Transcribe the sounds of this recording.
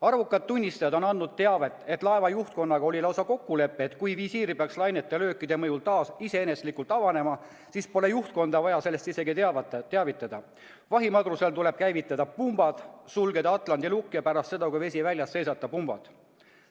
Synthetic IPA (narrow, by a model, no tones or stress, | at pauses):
ɑrvukːˑɑd̪̥̚t̪ːunʲːist̪ɑjɑd̪o̞nɑnːud̪̥̚t̪ːe̞ɑve̞t̪ːˑe̞t̪ːˑlɑe̞vɑjuht̪̚ko̞nːɑɡ̥ɑo̞lʲilɑwsɑko̞kːule̞pːeːt̪kujvisiːɾipeɑkslɑjnet̪ːˑelø̞ːkːˑid̪̥e̞mɤjult̪ɑːsise̞eneslikːˑult̪ˑɑvɑne̞mɑ | siːspo̞le̞juht̪̚ko̞nd̪ɑvɑjɑse̞lːest̪ise̞ɡit̪ːeɑvit̪ːˑɑd̪̥ɑ | vɑɦimɑɡ̪ruselt̪ule̞b̥̚kæjvit̪ːˑɑd̪ɑpumb̥ɑd̪̥sulɡe̞d̪ɑɑt̪ˑlɑnd̪ilukːˑijɑpæɾɑst̪se̞d̪ɑkujve̞sʲivælʲjɑsːe̞jsɑt̪ːˑɑpumb̥ɑ̰d̪̥